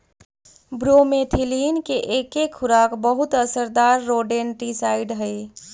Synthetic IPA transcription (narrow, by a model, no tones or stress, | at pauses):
bɾomet̪ʰilinkeʔekekʰːuɾakbəɦut̪əsəɾd̪aɾːoɖenʈisaɪɖɦəj